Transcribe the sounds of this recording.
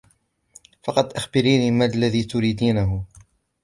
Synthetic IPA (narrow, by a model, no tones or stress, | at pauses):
fɑqɑd̪ʔaxbɪɾiːniːmalːaðiːt̪ʊɾiːd̪iːnaɦʊ